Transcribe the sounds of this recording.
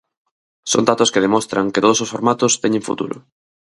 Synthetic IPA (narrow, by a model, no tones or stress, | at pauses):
so̰nd̪at̪ʊskɪðemɔst̪ɾɐŋket̪oðososfoɾmat̪ʊst̪ɛɲẽɱfṵt̪ṵɾʊ̰